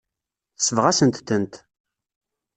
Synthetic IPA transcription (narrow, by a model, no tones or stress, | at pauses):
θə̥sːəvʁæsənt̪θənt̪